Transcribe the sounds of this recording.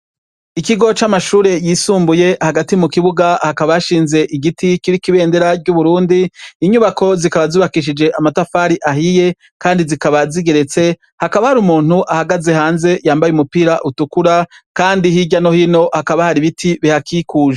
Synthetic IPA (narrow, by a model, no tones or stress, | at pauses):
ikiɡo̞t͡ʃamaʃuːɾe̞jiːsuːmbuje̞haɡatimukiβuɡahakaβajaʃiːnze̞ʔiɡitikiɾikiβe̞ːnde̞ɾaɾɟuβuɾuːndiiɲuβakʰo̞zikaβaziːβakiʃ̬id͡ʒe̞ʔamatafaːɾiʔaɦije̞ | kaːndizikaβaziɡe̞ɾe̞t͡se̞ | hakaβahaɾumuːn̥huʔahaɡaze̞haːnze̞jaːmbajumupiːɾaʔutukuɾakaːndihiɟano̞hino̞hakaβahaɾiβitʰiβihakʰikuːʒe